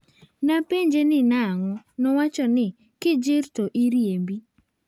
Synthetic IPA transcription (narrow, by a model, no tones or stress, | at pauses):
napeɲd͡ʒenɪnaŋɔnɔwat͡ʃɔnɪ | kɪd͡ʒɪɾtoʔiɾjembi